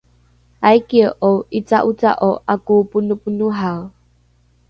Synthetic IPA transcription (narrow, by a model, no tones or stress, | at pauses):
ajkiəʔowʔit͡saʔut͡sa̰ʔoʔakupunupunuɦaw